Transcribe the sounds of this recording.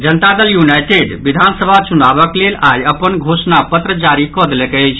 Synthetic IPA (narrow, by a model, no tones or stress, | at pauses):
d͡ʒənt̪ad̪əljunajʈeɖbid̪ʱansəbʱat͡ʃunaβəklelʔajəpənɡʱosnapət̪ɾəd͡ʒaɾikɔd̪elɛkəjt͡ʃʰ